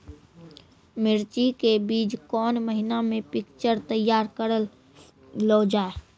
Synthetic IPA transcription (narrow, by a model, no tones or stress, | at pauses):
mɪɾt͡ʃikebiːd͡ʒkɔːnməɦɪnamẽpɪkt͡ʃəɾt̪əjːaːɾkəɾəlː | oːd͡ʒaːe